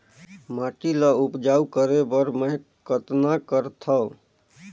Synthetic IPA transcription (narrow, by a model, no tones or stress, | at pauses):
maʈiləupd͡ʒaukəɾebəɾmə | kət̪nakəɾt̪ʰə